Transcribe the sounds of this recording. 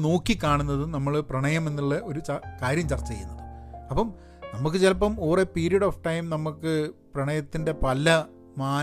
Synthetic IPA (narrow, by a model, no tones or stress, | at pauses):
no̞ːkːikːaːɳunːɐðɨnɐmːɐɭprɐɳɐjɐme̞nːuɭːɐʔo̞ɾut͡ɕkaːɾjɐmt͡ɕɐrt͡ɕːɐt͡ɕejunːɐðɨɐpːɐm | nɐmːuk̬ːɨt͡ɕelɐpːɐmoːreːpiːɾijɐɽoːfʈɐjmnɐmːukːɨprɐɳɐjɐt̪ːinde̞pɐlːɐ | maː